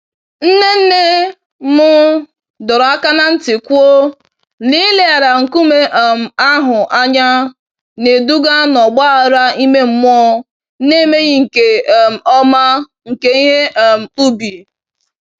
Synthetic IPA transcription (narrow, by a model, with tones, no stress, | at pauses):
n̩˦ne˦n̩˦ne˦ | mʊ˦ | dɔ˨ɾa˦ka˦na˦n̩˦tɪ˨kʷu˦o˦ | li˦le˦a˨ɾa˨ŋ̩˨ku˦me˦ʔm̩˨a˦ɦʊ˨ʔa˦ɲa˦ | ne˨du˦ɡa˦nɔ˨ɡ͡ba˦˨ɾa˦i˦me˦m̩˦m˦ɔ˦ | ne˦me˦ɣi˦ŋ̩˨ke˨m̩˨ɔ˦ma˦ | ŋ̩˨ke˦i˦ɦe˦˨m̩˨k͡pu˦bi˨